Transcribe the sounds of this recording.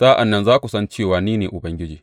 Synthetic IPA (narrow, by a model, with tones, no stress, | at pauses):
taː˦ʔa˨nːɐ˦nzaː˦kʷu˨sɐ˦nt͡ʃeː˦˨waː˨niː˦neː˨ʔʊ˨bɐ˦ŋɡʲɪ˦d͡ʒiː˨